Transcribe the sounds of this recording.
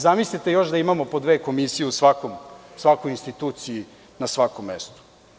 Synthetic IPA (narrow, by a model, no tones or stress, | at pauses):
zamislit̪ejo̞ʃd̪aimamo̞po̞d̪ʋeːko̞misijeusʋakomsʋakojinst̪it̪uːt̪siji | nasʋakomːest̪u̥